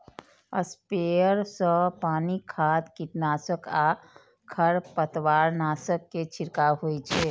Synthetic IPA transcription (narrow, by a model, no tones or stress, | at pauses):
ə̰speəɾsə̃panikʰat̪kiʈnasəka | kʰəɾpət̪waɾnasəkːet͡ʃʰiɾkaɦojt͡ʃʰɛ